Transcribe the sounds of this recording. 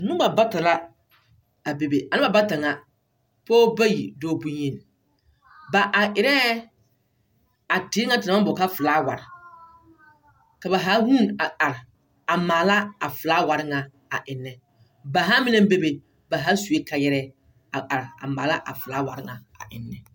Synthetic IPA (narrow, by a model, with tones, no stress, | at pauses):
nʊ̃˦ba˨ba˦ta˨la˦ | a˨be˨be˨ʔa˨nɪ˦ba˨ba˦ta˨ŋa˨ | pɔː˦ba˦jḭ˨dɔː˦bu˦ɲ˦e˦˨n˨ | ba˨ʔa˨ʔɪ˨ɾɛ˦ | a˨tɪ˨˦ŋa˦ta˨ma˦bɔ˨ka˦fɨ˨laː˦wa̰˨ɾɪ˨ | ka˨ba˨ɦa˨˦hu˦˨na˨ʔa˨ɾɪ˨ | a˨maː˨la˦a˨fɨ˨laː˦wa˨ɾɪ˦ŋa˨ | a˨ʔɪ˨nːɛ˨ | ba˨ɦa˦mɪ˦nɛ˦be˦be˨ | ba˨ɦa˦su˨e˦ka˨jɛ˦ɾɛ˦ | a˨a˨ɾɪ˨a̰˨ma̰ː˨la˦ʔa̰˨fɨ˨laː˦wa˨ɾɪ˦ŋa˨a̰˨ʔɪ˨nːɛ˨